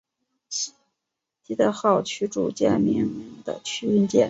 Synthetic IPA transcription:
t̪i˥t̪ə˥˧˥xɑ˥˩ʊt͡ɕʰy˥ʈ͡ʂṵ˥˩t͡ɕjɛ̰˥˩nmi˧˥ŋi˧˥ŋd̪ə̰˧t͡ɕʰy˥ə˥nt͡ɕjɛ̰˥˩n

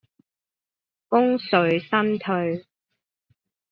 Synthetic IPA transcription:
fʊ˥ŋsɵ˨ɥsɐ˥nt̪ʰɵ˧ɥ

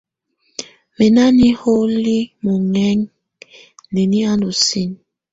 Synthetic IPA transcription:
me˨na˦ni˦ho˦li˦mo˨ŋɛ˦ŋ | ne˨ni˦a˦no˨si˦˨n

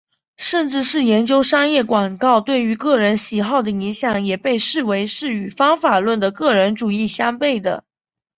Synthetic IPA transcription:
ʂə˥˧nʈ͡ʂɻ̩˥˧ʂɻ̩˥˩jɛ˧˥nt͡ɕjo˥ʊʂɑ˥ŋjɛ˥˩kwa˨˩ŋkɑ˥˧ʊt̪we˥˩ɪy˧˥kɤ˥˩ɻə˧˥nɕi˨˥xɑ˥˩ʊd̪ə˩i˧˥ŋɕjɑ˨˩˦ŋjɛ˨˩pe˥˧ɪʂɻ̩˥˩we˧˥ɪʂɻ̩˥˩y˨˩fɑ˥ŋfa˨˩lwə˥˩nd̪ə˩kɤ˥˩ɻə˧˥nʈ͡ʂu˨˩i˥˩ɕjɑ˥ŋpe˥˩ɪd̪ə̰˩

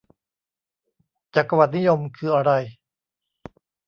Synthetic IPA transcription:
t͡ɕaː˨˩kːa˧wa˨˩t̪̚ni˦˥jo˧mkʰɯː˧ʔa˧ɾa˧j

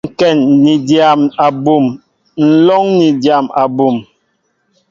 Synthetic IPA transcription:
ŋ̩˨kɛ˦˨nːi˨dja˨ma˨bu˦˨m | n̩˨lɔ˦ŋni˨dja˨ma˨bu˨m

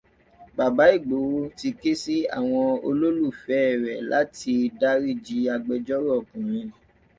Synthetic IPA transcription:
ba˨ba˨˦i˦˨ɡ͡bo˨˦wo˦ti˧ke˦si˦a̰˦˨w̃ɔ̃˧o˧lo˦lu˦˨fɛ˨˦˨ɾɛ˨lʔa̰˨˦ti˧da˦ɾi˦˨d͡ʒi˧a˧ɡ͡bɛ˧d͡ʒɔ˦ɾɔ˦ɔ˨kũ˨ɾ̃ĩ˧˨

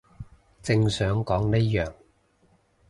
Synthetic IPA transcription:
t͡sɪ˧ŋsœː˨˥ŋkɔː˨˥ŋne˥jœː˨ŋ

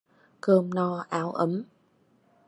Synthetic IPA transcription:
kəː˧mnɔ˧˩ʔaː˨˦wʔə˨˦m

